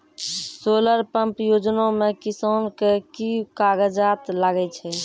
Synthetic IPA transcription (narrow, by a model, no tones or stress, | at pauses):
soləɾpəmpjod͡ʒnomekisonkekikaɡəd͡ʒat̪laɡɛt͡ʃʰɛ